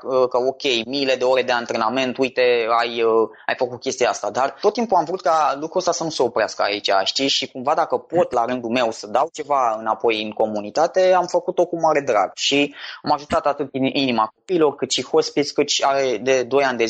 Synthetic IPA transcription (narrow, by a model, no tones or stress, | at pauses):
əkəo̞kʲe̞jmile̞d̪e̞o̞ɾe̞d̪e̞ant̪ɾe̞name̞nt̪ujt̪e̞ajə | a̰jfəkut̪̚kʲe̞st̪ijeast̪ad̪art̪ot̪ːimpuamvɾut̪̚kalukɾuəst̪asənuse̞o̞pɾeaskəa̰it͡ʃaʃt̪iʃikumvad̪akəpo̞t̪laɾɨnd̪ume̞wsəd̪awt͡ʃe̞vaɨnapo̞jɨŋko̞munit̪at̪e̞amfəkut̪o̞kumaɾe̞d̪ɾa̰ɡʃiamaʒut̪at̪at̪ɨt̪inimako̞piːlo̞rkɨt̪ʃixo̞spit̪sʲkɨt̪aɾed̪e̞d̪o̞jand̪e̞